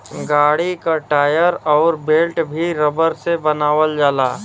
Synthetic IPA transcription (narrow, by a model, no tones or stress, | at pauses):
ɡaːɽikaʈaːjəɾɔːɾbeːlʈbʱiɾəbəɾsebɐnaːʋəld͡ʒaːlaː